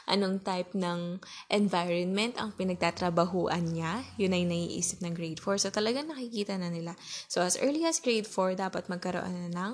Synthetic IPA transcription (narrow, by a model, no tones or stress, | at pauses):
ʔɐ̰noŋt̪ajp̚nɐŋʔɛnvajɹɔnmɛnt̪ɐ̰ŋpɪnɐɡ̚t̪at̪ɾɐbɐɦuːʔɐnɲajʊnːɐjnɐɡḭːʔḭːsɪp̚nɐŋɡɾejd̪foɹsot̪ɐlɐɡaŋnɐkɪkiːt̪ɐnɐnɪlasoʔɐsʔɛ̰ɹliʔɐsɡɾejd̪foɹd̪aːpɐt̪̚mɐɡ̚kɐɾo̰ʔo̰nɐnɐŋ